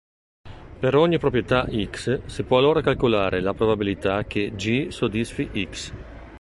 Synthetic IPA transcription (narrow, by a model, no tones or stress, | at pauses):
peɾɔɲːipɾop̬ɾjet̪aʔikssipwɔalːoːɾakalkolaːɾʔelapɾobabilit̪ak̟ed͡ʒisod̪isfiʔiks